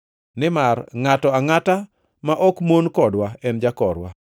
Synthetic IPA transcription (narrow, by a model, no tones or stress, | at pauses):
nɪmarŋatɔaŋata | maʔɔkmonkɔdwaɛnd͡ʒakɔɾwa̰